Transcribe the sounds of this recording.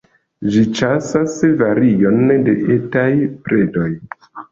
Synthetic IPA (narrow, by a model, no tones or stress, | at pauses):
d͡ʒit͡ʃasasvaɾio̞nde̞ʔetajpɾe̞do̞j